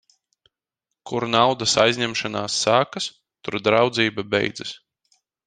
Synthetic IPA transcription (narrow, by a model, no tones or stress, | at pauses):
kuɾnawd̪asajzʲɲʲɛmʃanaːsːaːkas | t̪uɾd̪ɾawd̪ziːbabɛ̰jd̪zɨs